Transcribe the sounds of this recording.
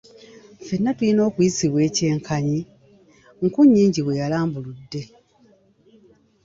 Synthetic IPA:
fe̞nːatulino̞ːkujisiβwe̞ːce̞ːŋkʰaɲi | ŋkuɲːiːɲɟiβwe̞jalaːmbuludːe̞

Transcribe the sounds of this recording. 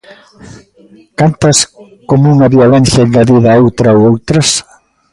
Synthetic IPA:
kant̪ɐs | komouŋɐβiolɛ̃n̟θjɐeŋɡɐðiðɐowt̪ɾɐowowt̪ɾɐs

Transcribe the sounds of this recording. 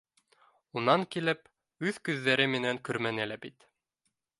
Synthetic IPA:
unɑŋkilɘp | ʉðkʉðːæɾɘmɘ̆næŋkɵɾmænɘlæbit̪

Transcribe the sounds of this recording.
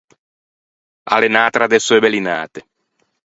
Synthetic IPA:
a̰lenaːt̪ɾad̪esoebelina̰ːt̪e

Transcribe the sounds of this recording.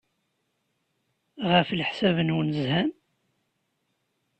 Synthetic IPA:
ʁəflħsævənwnəzhæm

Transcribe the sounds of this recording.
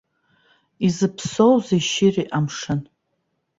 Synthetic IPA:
izɨpʰsowzeʃɪriʔamʂɨn

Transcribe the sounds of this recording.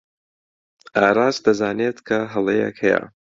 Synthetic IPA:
ʔaːɾaːzd̪ɐzaːneːt̪kʰɐɦɐlˠejḛkhɛjɛ̰

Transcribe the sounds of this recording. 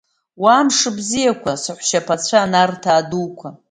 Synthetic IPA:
waːmʂɨbzijakʷʰasɨħʷʃapʰat͡sʷʰaːnartʰaːduːkʷʰa

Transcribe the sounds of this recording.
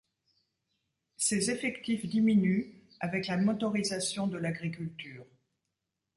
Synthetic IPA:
sezefɛkt̪ifd̪iminy | avɛklamɔt̪ɔʁizasjɔ̃d̪əlaɡʁikʲylt̪yːʁ

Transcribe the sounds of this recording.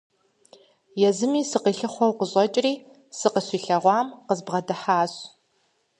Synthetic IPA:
jɛzɨmiːsɨqiːɬɨχʷɔwqəɕʼɔt͡ʃʼriː | sɨqəɕʷiːɬɐʁʷɑːmqəzbʁɐdɐħaːɕ

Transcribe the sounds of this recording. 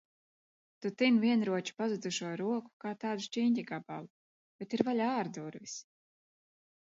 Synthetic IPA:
t̪ut̪invʲiɛnɾuɔt͡ʃi̥pazud̪zuʃuɔɾuɔku̥kaːt̪aːd̪uʃt͡ʃiːɲcʲiɡaba̰lˠu | b̥et̪iɾvalʲaːɾd̪uɾvis

